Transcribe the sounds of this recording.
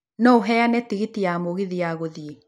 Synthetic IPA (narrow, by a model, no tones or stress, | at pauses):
nɔoɦɛanɛtiɣitiamoɣeðiaɣoðie